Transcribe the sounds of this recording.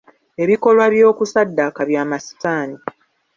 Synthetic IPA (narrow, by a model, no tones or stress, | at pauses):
e̞βiko̞lwaβjo̞ːkusadːakaβjaːmasi̥taːni